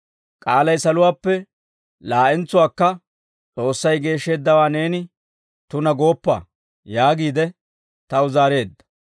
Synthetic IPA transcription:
kʼaːlɐjsɐlʊwaːpːɛ | laːʔɛnt͡sːʊwaːkːɐ | t͡sʼo̞ːsːɐjɡe̞ːʃːe̞ːd̪ːɐwaːne̞ːnɪ | t̪ʊnɐɡo̞ːpːa̰ː | jaːɡiːd̪ɛ | t̪ɐʊzaːɾe̞ːd̪ːɐ̥

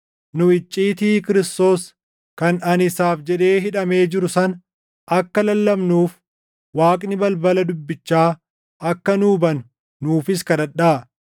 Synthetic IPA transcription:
nʊɪt͡ʃʼːiːt̪iːkɪɾɪst̪o̞ːs | kɐnɐnɪsaːfd͡ʒɛᶑe̞ːɦɪᶑɐme̞ːd͡ʒɪɾʊsɐn | ɐkːɐlɐlːɐmnuːf | waːkʼnɪbɐlbɐlɐd̪ʊbːɪt͡ʃːaː | ɐkːɐnuːbɐnʊ̥ | nuːfɪskɐd̪ɐᶑaː

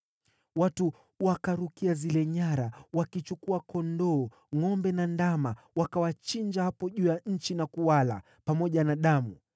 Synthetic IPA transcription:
watu | wakaɾukiazilɛɲaɾawakit͡ʃukuakɔndɔː | ŋɔmbɛnandama | wakawat͡ʃiɲd͡ʒahapɔʄuːjaɲ̩t͡ʃinakuwala̰ | pamɔʄanaɗamu

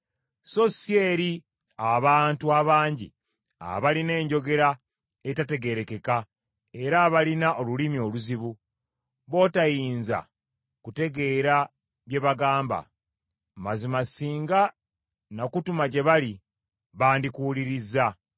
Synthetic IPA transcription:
so̞sieɾi | aβaːntuaβaːɲɟḭ | a̰βaline̞ːɲɟo̞ɡe̞ɾa | etate̞ɡe̞ɾe̞ke̞ka | e̞ɾaβalinaʔo̞lulimio̞luziβu | βo̞ːtajiːnza̰ | kute̞ɡe̞ːɾa | βje̞βaɡaːmba̰ | mazimasiːŋɡa | nakutumaɟe̞βali | βaːndikuːliɾizːa

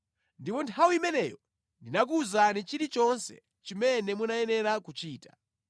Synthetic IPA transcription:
ndipɔntʰawuimɛnɛjɔ | ndinak̬uːzanit͡ʃiɾit͡ʃɔnsɛ̰ | t͡ʃimɛnɛmunajɛnɛɾakut͡ʃiːtḁ

